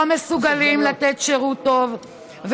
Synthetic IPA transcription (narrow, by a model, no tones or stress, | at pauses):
amesuɡalimlat̪et̪ʃeʁut̪o̞v | v